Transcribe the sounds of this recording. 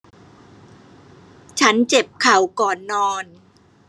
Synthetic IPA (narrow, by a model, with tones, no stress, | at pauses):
t͡ɕʰa˦˥nt͡ɕe˨˩p̚kʰa˨˩wkɔː˨˩nːɔː˧n